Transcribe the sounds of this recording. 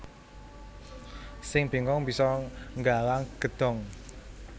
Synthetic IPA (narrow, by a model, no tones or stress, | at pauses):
sɪŋb̥i̤ŋɔŋb̥isɔŋɡalaŋɡ̥ə̤d̪̥ɔ̤ŋ